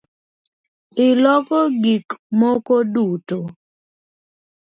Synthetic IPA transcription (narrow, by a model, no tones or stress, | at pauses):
ɪlɔkɔɡikmokoduto